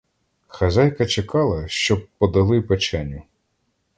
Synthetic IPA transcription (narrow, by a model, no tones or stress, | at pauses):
xɐzɑjkɐt͡ʃekɑlˠɐʃt͡ʃɔbpɔd̪ɐlˠɪpet͡ʃɛnʲːʊ